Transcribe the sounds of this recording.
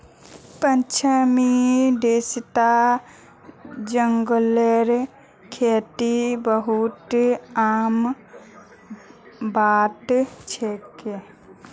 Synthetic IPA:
pənt͡ʃʰəmid̪est̪a | d͡ʒəŋɡoleɾ | kʰet̪ibəɦut̪aːm | baːt̪t͡ʃʰeke

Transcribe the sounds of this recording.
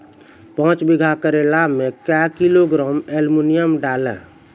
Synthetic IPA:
pə̃t͡ʃbiɡʱakəɾelamekɛkiloɡɾɔmelmunijəmɖalɛ̰̃

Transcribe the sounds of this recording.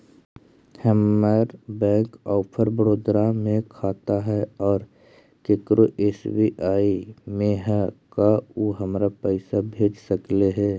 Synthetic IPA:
hɛmaɾbɛ̃ːkɔːpʰəɾbəɾoːd̪ɾamẽkʰaːt̪aɦɛɔːɾ | kekɾoʔeːsbiʔaːimẽɦɛkaoɦəmɾapəɪsabʱeːd͡ʒsəkleɦɛː

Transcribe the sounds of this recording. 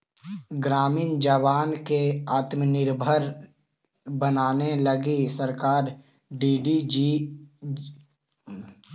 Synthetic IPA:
ɡɾaːmiːnd͡ʒəʋaːnkeaːt̪mənɪɾbʱəɾ | bənaːneləɡisəɾkaːɾ | ɖiːɖi

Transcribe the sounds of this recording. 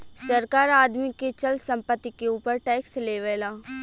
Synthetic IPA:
sɐɾkaːɾaːd̪miket͡ʃɐlsɐ̃mpət̪ːikeuːpəɾʈɛːksleːʋelaː

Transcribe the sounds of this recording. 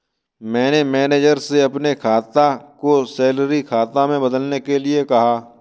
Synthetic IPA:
mɛ̃ːnemɛːneːd͡ʒəɾseɐpnekʰaːt̪akosɛːləɾikʰaːt̪amẽbɐd̪əlnekelɪekɐɦaː

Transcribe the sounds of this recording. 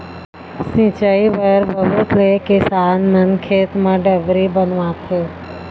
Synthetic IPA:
sĩt͡ʃəiʋəɾbʱəɦut̪lekɪsaːnmənkʰeːt̪mãɖəʋɾibənʋãt̪ʰeː

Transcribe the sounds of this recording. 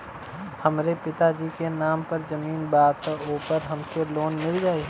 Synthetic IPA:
hɐmɾepɪt̪ad͡ʒiːkenaːmpɐɾzɐmiːnbaːt̪uːpəɾɦɐmkeloːnmɪld͡ʒaːi

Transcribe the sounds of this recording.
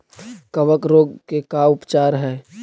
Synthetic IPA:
kəʋəkɾoːɡkekaʊpt͡ʃaːɾɦɛː

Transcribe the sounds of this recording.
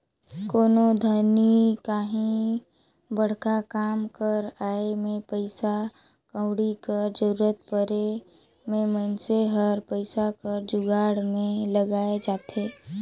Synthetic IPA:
koːnod̪ʱənikaːɦĩ | bəɽ̤kakaːmkəɾaːemẽpəɪsa | kə̃ʊɽikəɾd͡ʒəɾuːɾət̪̚pəɾe | mẽmənseɦəɾpəɪsakəɾd͡ʒʊɡaːɽmẽləɡaːed͡ʒaːt̪ʰeː

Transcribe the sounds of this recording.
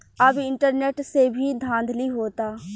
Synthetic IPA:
əbɪɳʈəɾneːʈseːbʱiːd̪ʱãːnd̪ʱliːɦoːt̪aː

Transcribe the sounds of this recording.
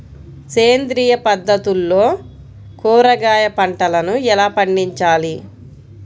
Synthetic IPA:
keːnd̪ɾiːjɐpɐd̪ːɐt̪ulːo̞ː | kuːɾɐɡaːjɐpɐɳʈɐlɐnuɛlaːpɐɳɖiɲt͡ʃaːli

